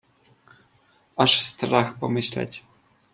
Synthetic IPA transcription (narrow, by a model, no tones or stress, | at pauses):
aʂst̪raxpomɘɕlʲa̰t͡ɕʲ